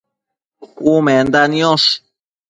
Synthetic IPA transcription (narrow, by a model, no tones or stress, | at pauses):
umɛnd̪aniɔ̃s